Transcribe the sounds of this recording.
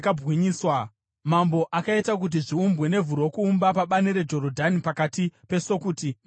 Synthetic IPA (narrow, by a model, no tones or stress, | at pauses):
kabwiɲiːswa | mambo̞ʔakaitak̬ut̬iʐiumbwe̞ne̞vuɾo̞kuːmbapaɓaniɾe̞d͡ʒo̞ɾodʱanipakatipe̞so̞kuːti